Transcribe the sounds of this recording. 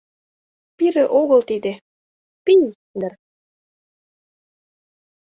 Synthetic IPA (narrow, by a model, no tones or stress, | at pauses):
piɾĕʔoɣɤ̆lt̪id̪ĕ | pij | d̪ər